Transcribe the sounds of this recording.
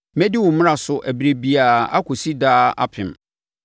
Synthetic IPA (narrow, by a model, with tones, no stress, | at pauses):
mɛ̃˦di˦wʊ̃˨˦m̃˦a˨sʊ˨ʔæ˨bi˨ɾe˨bi˦a˨a̰˦kʰʊ˨si˦daː˦a̰˦pʰɪ̃˨m